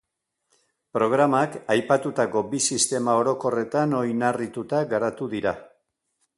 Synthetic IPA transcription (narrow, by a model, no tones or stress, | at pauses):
pɾo̞ɣ̞ɾamakajpat̪ut̪ako̞bisist̪e̞mao̞ɾo̞ko̞re̞t̪ano̞jnarit̪ut̪aɡaɾat̪uðiɾa